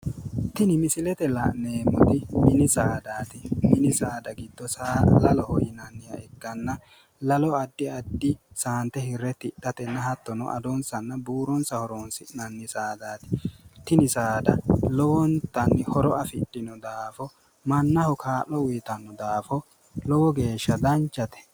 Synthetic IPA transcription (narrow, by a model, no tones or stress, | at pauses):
t̪ɪnɪmɪsɪlɛt̪ɛlɐ̰ʔneːmːɔt̪ɪmɪnɪsaːd̪aːt̪ɪmɪnɪsaːd̪ɐɡɪd̪ːɔsaːlɐlɔhɔjɪnɐnːɪjɐ̰ɛɡːɐnːɐ | lɐlɔɐd̪ːɪɐd̪ːɪsaːnt̪ɛhɪɾːɛt̪ɪɗːɐt̪ɛnːɐhɐt̪ːɔnɔ̰ʔɐ̰d̪ɔnsɐnːɐbuːɾɔnsɐhɔɾɔnsɪnɐnːɪsaːd̪aːt̪ɪ̥t̪ɪnɪsaːd̪ɐlɔwɔnt̪ːɐnːɪhɔɾɔɐfɪɗːɪnɔd̪aːfɔ | mɐnːɐhɔkʰaːlːɔwʊjt̪ɐnːɔd̪aːfɔ | lɔwɔɡe̞ːʃːɐd̪ɐnt͡ʃːɐt̪ɛ̥